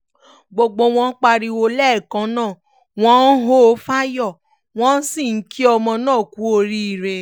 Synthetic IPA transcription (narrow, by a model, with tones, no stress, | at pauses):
ɡ͡bo˧ɡ͡bo˧w̃ɔ̃˧˦k͡pa˧ɾi˧wo˧lɛ˦˨kã˨˦nãː˦˨ | w̃ɔ̃˦n̩˦ɦo˦˧˦fa˦jɔ˦˨ | w̃ɔ̃˦n̩˦si˦˨n̩˦kʰi˦ɔ˧mɔ̃˧nãː˦˨ku˨˦o˧ɾi˦i˦˨ɾe˧